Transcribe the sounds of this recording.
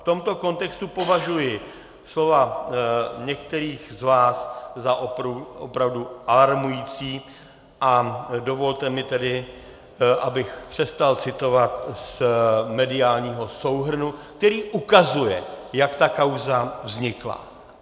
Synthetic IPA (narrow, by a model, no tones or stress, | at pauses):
ft̪o̞mt̪o̞ko̞nt̪ɛkst̪upo̞vaʒujɪ | slo̞va | ɲɛk̚t̪ɛɾiːxzvaːszaʔopɾuo̰pɾavduʔalaɾmujiːt͡siː | ʔado̞vo̞lt̪ɛmɪt̪ɛdɪ | ʔabɪxpr̝̥ɛst̪alt͡sɪt̪o̞vat̪smɛdɪaːlɲiːɦo̞so̞wɦr̩nuk̚t̪ɛɾiːʔukazujɛjakt̪akawzavzɲɪkla̰